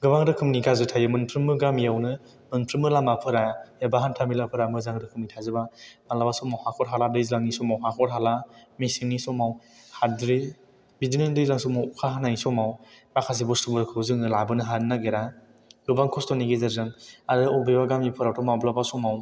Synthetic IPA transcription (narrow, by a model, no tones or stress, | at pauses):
ɡɯbaŋdɯkʰɯmnikʰazɯtʰajɯmɯnpʰɾɯmːɯɡamijawnɯ | mɯnpʰɾɯmɯlamapʰɯɾaebaɦantʰamilapʰɯɾamɯzaŋdɯkʰɯmnitʰazɯbamalabasɔmawhakʰɔɾɦaladɯjzlaŋnisɔmawɦakʰɔɾɦalamisiŋnisɔmaw | hadɾi | bidinɯndɯjzlaŋsɔmawukʰaɦananisɔmawbakʰas̬ibɔstubɯɾkʰɯwzɯŋnɯlabɯnɯɦanːaɡeɾa | ɡɯbaŋkʰɔstɔniɡezazɯŋadɯɔbibaɡamipʰɯɾawtʰɔmawblabasɔmaw